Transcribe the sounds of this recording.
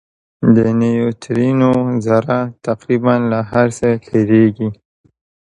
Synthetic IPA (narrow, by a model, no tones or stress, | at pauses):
d̪ənejot̪ʰɾinozaɾat̪aqɾibanlaɦaɾsəɬeɾeɡi